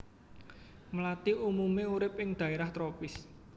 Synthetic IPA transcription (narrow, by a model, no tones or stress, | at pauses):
məlat̪iʔumumeuɾɪp̚ɪŋd̪̥ä̤eɾaht̪ɾopɪs